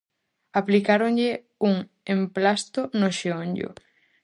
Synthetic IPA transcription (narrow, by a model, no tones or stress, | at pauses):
aplikaɾoŋʎɪ | uŋ | emplast̪ʊnoʃeoɲʎʊ̰